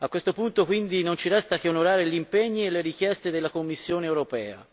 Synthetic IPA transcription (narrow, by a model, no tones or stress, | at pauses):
akːwest̪opunt̪okwind̪inont͡ʃiɾɛst̪akːeonoɾaːɾeʎimpeɲːielːeɾik̟jɛst̪ed̪elːakomːisːjoːneːwɾopɛ̰ːa̰